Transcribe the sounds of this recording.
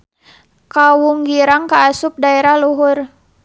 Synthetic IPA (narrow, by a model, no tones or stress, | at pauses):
kawuŋɡiɾaŋkaːsup̚daɛɾahluɦʊr